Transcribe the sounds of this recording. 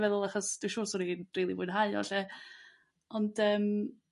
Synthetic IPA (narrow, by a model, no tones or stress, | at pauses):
vɛðʊlˠaχɔsd̥ɪʃuːsɔɾinriːlˠivʊɨnɦaɨɔ̰ɬɛ | ɔnd̥əːm